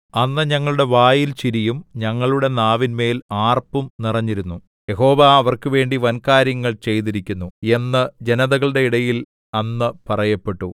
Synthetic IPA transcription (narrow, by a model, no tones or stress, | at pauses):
ɐnːɨɲɐŋːɐɭuɽe̞ʋaːjilt͡ɕiɾijumɲɐŋːɐɭuɽe̞naːʋinme̞ːlaːrpumnirɐɲːiɾunːu | je̞ɦo̞ːʋaːʋɐrkɨʋe̞ːɳɖiʋɐnkaːɾjɐŋːɐɭt͡ɕe̞jt̪̬iɾikʲːunːue̞nːɨd͡ʑe̞nɐðɐɣɐɭɽe̞iɽɐjil | ɐnːɨpɐrɐjɐpːe̞ʈːu